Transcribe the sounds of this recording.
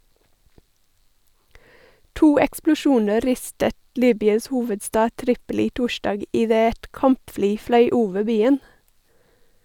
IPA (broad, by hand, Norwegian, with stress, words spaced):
ˈtuː ɛksplʊˈʃuːnə ˈɾɪstət ˈliːbʏɑs ˈhuːʋədˌstɑː ˈtɾɪpəˌlɪ ˈtʊˌʃɖɑːɡ ɪˈdeː ˈɛt ˈkɑmpˌfliː ˈflœʏ ˈuːʋə ˈbiːən